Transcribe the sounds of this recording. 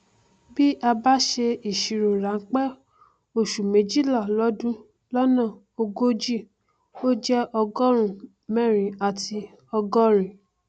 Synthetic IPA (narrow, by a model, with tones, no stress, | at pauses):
bi˦ʔa˧ba˦ʃe˧i˨ʃi˨ɾo˨ɾa˨˦ŋ̩˦k͡pɛ˦ | o˨ʃu˨mẽ˨˦d͡ʒi˦la˦˨lɔ˦dũ˦ | lɔ˦nã˦˨ | o˧ɡo˦d͡ʒi˦˨ | o˦d͡ʒɛ˦ʔɔ˧ɡɔ˦ɾ̃ũ˦˨ | mɛ̃˦˨ɾ̃ĩ˨˦a˨ti˧ | ɔ˧ɡɔ˦ɾ̃ĩ˨